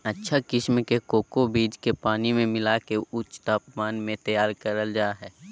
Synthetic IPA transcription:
ətːʃʰakɪʃmkekoːkobiːd͡ʒkepaːnimẽmɪlakeʊt͡ʃt̪aːpmaːnmẽt̪əjaːɾkəɾəld͡ʒaːɦɛː

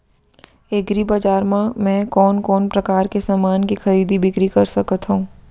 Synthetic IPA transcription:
eɡɾibaːd͡ʒaːɾmãmɛ̃kɔːnkɔːnpɾɐkaːɾkesaːmaːnkixɐɾiːd̪ibɪkɾikɐɾsɐkət̪ɦũː

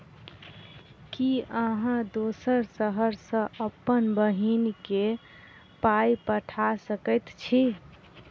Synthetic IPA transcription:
kiəɦãd̪osəɾsəɦəɾsə̃əpːənbəɦinke | pajpəʈʰasəkət̪t͡ʃʰi

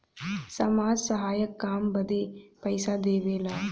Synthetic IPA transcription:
sɐmaːd͡ʒsɐɦaːjɐkːaːmbɐd̪epɐjsad̪eːʋeːlaː

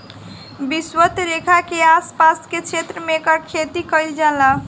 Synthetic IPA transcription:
biswət̪ɾekʰakeaspasket͡ʃʰet̪ɾəmekəkʰet̪ikəjld͡ʒãla

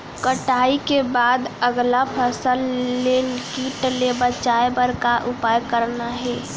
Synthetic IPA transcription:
kəʈaːikebaːd̪əɡlapʰəsəlːenkiːʈlebət͡ʃaebəɾkaʔʊpajkəɾnaɦɛː

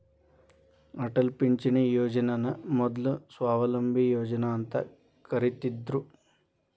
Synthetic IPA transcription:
ɐʈɐlpiɲt͡ʃinejoːd͡ʒɐnɐnɐmɔd̪lusʋaːʋɐlɐmbʱijoːd͡ʒɐnaːnt̪ɐ̰ | kɐɾit̪id̪ɾu

